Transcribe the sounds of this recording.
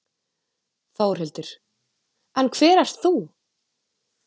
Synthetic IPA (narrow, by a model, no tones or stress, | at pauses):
θaːwɾ̥hɪlt̪ʏɾ̥ | ɛnkʰvɛːɾast̪θu